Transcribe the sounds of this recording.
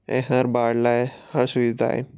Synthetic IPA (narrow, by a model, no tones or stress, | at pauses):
ḛ̃ɦaɾbaɽlahaɾsuʋid̪ʱa̰ḛn